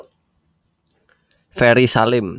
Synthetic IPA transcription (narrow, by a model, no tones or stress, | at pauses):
fɛɾisalɪm